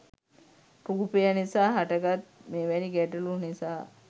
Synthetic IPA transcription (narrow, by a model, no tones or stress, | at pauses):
kuɡupejənisaːɦaʈəɡat̪̚meːʋɛniɡɛʈulunisaː